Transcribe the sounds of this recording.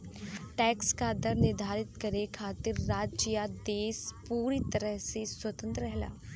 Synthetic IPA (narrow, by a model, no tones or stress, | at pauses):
ʈɛːkskad̪əɾnɪɾd̪ʱaːɾɪt̪kɐɾekʰaːt̪ɪɾːaːd͡ʒd͡ʒijad̪eːspuːɾit̪ɐɾəɦseswɐt̪ə̃nt̪ɾəɾɛɦla̰ː